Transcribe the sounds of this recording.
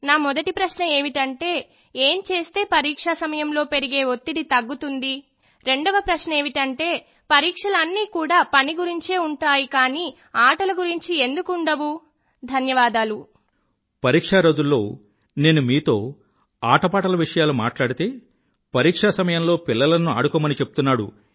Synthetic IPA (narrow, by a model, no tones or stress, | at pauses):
naːmɔd̪ɐʈipɾɐʃnɐe̞ːʋiʈɐɳʈe̞ː | eːmt͡ʃe̞ːst̪e̞ːpɐɾiːkʂasɐmɐjɐmlo̞ːpeɾiɡe̞ːot̪ːid̪it̪ɐɡːut̪und̪i | ɾe̞ɳɖɐʋɐpɾɐʃnɐeːʋiʈɐɳʈe̞ː | pɐɾiːkʂɐlɐnːiːkuːɽaːpɐniɡuɾiɲt͡ʃeːuɳʈaːjikaːniː | aːʈɐlɐɡuɾiɲt͡ʃie̞nd̪ukːɳɖɐʋu | d̪ʱɐnjɐʋaːd̪aːlu | pɐɾiːkʂaːɾɐd͡ʒ̪ulːo̞ː | ne̞ːnumiːt̪o̞ː | aːʈɐpaːʈɐlɐʋiʂɐjaːluma̰ːʈlaːɽit̪eː | pɐɾiːkʂasɐmɐjɐmlo̞ːpilːɐlɐnua̰ːɽukɔːmɐnit͡ʃe̞pu̥t̪unːaːɽṵ